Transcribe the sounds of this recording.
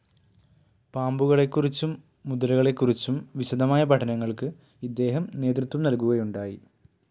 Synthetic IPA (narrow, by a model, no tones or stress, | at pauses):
paːmbuɣɐɭe̞kːurit͡ɕːumː | ud̪ɐlɐɣɐɭe̞kːurit͡ɕːumʋiɕɐd̪ɐmaːjɐpɐʈʰɐnɐŋːɐɭkɨ | id̪ːe̞ːɦɐmne̞ːt̪rut̪wʋɐmnɐlkuɣɐjuɳɖaːjḭ